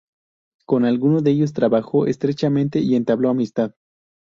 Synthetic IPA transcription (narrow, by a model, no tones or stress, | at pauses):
ko̞nalɣunoðeeʝo̞s̬t̪ɾaβaxo̞ʔest̪ɾe̞t͡ʃamẽnt̪e̞ie̞nt̪aβlo̞amist̪að